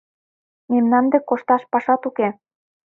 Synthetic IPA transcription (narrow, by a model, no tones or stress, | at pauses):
memnɑnd̪ekoʃt̪ɑʃpɑʃɑt̪uke